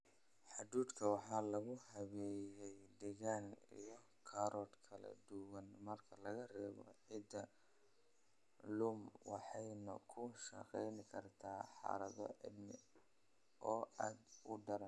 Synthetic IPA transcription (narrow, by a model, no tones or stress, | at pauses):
ħɑd̪uːd̪kʰɐwɑħɑːlɐɣʊɦɐβɛːjɛjd̪ɛɣaːnḭjɞ | kʰɐɾʔɔːd̪kʰɐlɐ̰d̪ʊwɐnmɐrkʰɐlɐɣɐrɛːβɔ̰ʕɪd̪ɐ | lʊmwɑħɑjnɐ̰kʰʊʃɐ̰qɛjnɪkʰɐrt̪ʰaːħɑ̰ɾɐðɔ̰ʔɪd̪nɪ | ʔɔːaːd̪ʊɖɐɾɐn